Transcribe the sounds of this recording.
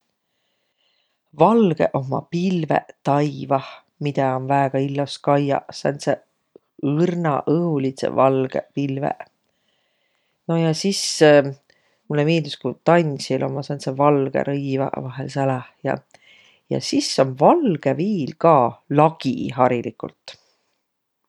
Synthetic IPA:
vɑlɡ̥ḛʔo̞mːɑ̰pilvḛt̪ɑjvɑh | mit̪ɑo̞nvæeɡ̥ɑilːɑskɑjɑ̰sɑnt̪se | ɯrnɑ̰ʔɤhulit̪sḛvɑlɡ̥ḛpilvḛ | no̞jɑsis | mulːemiːd̪uskut̪ɑnʲsilʔo̞̰mːɑsɑnt̪sevɑlɡ̥ḛɾʔɤjvɑ̰vɑɦḛlsælɑhjɑ̰ | jɑ̰sisːo̞nvɑlɡ̥eviːlkɑːlɑɡ̥ḭɦɑɾilikṵlt̪

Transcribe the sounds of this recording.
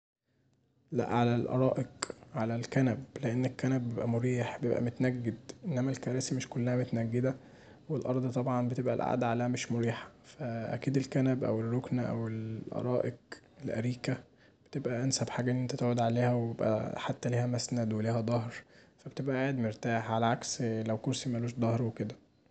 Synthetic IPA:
læ̰ʔʕalælʔɑ̰ɾˤɑːʔeqʕalælkænæbleʔenːekːænæbːjebʔæmoɾiːħbjebʔæ̰mot̪ænæɡːed̪ʔenːæmælkæɾæːsimeʃkolːæhæmot̪næɡːed̪æ | welʔɑɾˤd̪ˤit̪ˤɑbʕɑnbet̪ebʔæ̰lʔa̰ʕd̪ʕalæːhæmeʃmoɾiːħɑ̥fæʔæ̰kiːd̪elkænæbʔæ̰werːoknæʔæ̰welʔɑ̰ɾˤɑːʔeɡ | elʔæ̰ɾiːkæ | b̥et̪ebʔæʔænsæbħaːɡæenʔent̪æt̪eʕod̪ʕaleːhæweebebʔæ̰ħat̪ːæliːhæmæsnæd̪weliːhæd̪ˤɑhɾfæbet̪ebʔæʔaːʕed̪meɾt̪aːħʕalæʕakslæwkoɾsimæʔæluːʃd̪ˤɑhɾweked̪æ

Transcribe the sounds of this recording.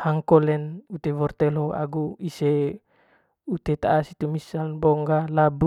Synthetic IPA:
haŋkɔlɛnut̪evɔrt̪eloa̰ɡuise | ut̪et̪aːsit̪umisanbɔŋɡalabu

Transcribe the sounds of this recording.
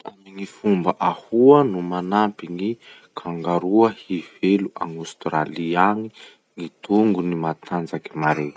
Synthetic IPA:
amiŋifumbəʔahuənumanampiŋi | kʰaŋɡaɾuəhiveluʔa̰ŋust̪raliaŋi | ŋit̪uŋɡunimat̪ʰand͡zaki̥maɾe̥

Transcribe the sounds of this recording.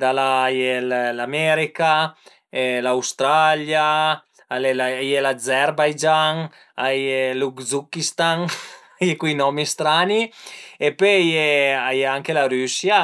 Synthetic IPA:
d̪alajellamɛɾika | ɛlawst̪ɾalja | alelajelazɛɾbajd͡ʒaŋ | ajelukzukist̪aŋajekwijnɔmist̪ɾaniepøjeajeaŋkelaɾysja

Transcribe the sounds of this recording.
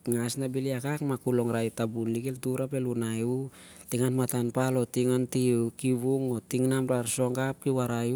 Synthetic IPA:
ŋasnabiliakakmakulo̞ŋɾajtabunliɡeltuɾape̞lunaju | tiŋanmatanpalo̞tiŋontikiβuŋo̞tiŋnamɾaɾso̞ŋɡap̚kiwaɾaj

